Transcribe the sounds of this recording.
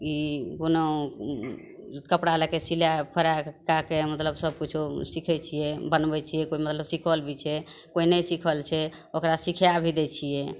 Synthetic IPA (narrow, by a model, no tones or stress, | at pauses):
ikono | kəpɽalekesiljapʰəɾakakemət̪ləbsəb̚kut͡ʃʰosikʰɛt͡ʃʰijɛbənbɛt͡ʃʰijɛkoimət̪ləbsikʰəlbʱit͡ʃʰɛkoinesikʰəlt͡ʃʰɛ | okɾasikʰeabʱid̪ɛt͡ʃʰijɛ